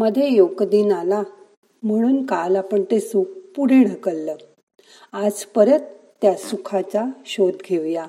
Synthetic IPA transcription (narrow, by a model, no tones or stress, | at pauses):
məd̪ʱjejokd̪iːnala | m̤əɽ̃uːnkalapəɳt̪esukpuɽeɽ̤əkəlːəː | ad͡zpəɾət̪ː | jasukʰat͡saɕod̪ɡʱeʋja